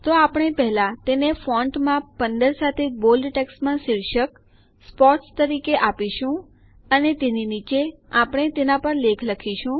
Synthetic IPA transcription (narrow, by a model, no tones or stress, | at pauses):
t̪oapɽ̃epɛɦlãt̪enefɔ̃ɳʈmãpənd̪əɾsat̪ʰebolɖʈɛksmãsiɭʃək | spɔʈst̪əɾikeʔapiʃũ | ənet̪eninit͡ʃeapəɽ̃et̪enapəɾlekʰləkʰiʃũ